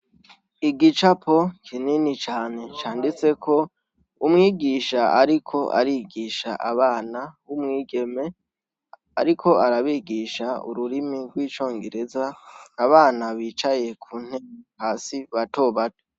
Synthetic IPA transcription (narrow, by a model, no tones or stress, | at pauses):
iɡit͡ʃapʰo̞kʰininit͡ʃaːne̞t͡ʃaːndit͡se̞kʰo̞ | umŋiːɡiːʃaʔaɾikʰo̞ʔa̰ɾiɡiːʃa̰ʔaβaːnawumŋiːɡe̞me̞ | a̰ɾikʰo̞ʔaɾaβiːɡiʃaṵɾuɾimiɾɡwiːt͡ʃo̞ːŋɡe̞ɾe̞zanaβaːnaβiːt͡ʃaje̞kʰuːn̥hehaːsiβato̞ːβato̥